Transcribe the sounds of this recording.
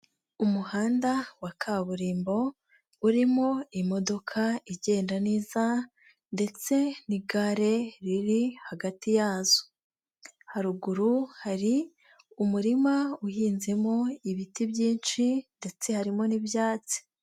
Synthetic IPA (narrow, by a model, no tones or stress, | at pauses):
umuhaːndawakʰaβuɾiːmbo̞ | uɾimo̞imo̞do̞kʰaiɟe̞ːndaniːza | nde̞t͡se̞niɡaɾe̞ɾiɾihaɡatijaːz̥o̥ | haɾuɡuɾuhaɾi | umuɾimauhiːnze̞mo̞iβitibjiːnʃinde̞t͡se̞haɾimo̞nibjaːt͡si̥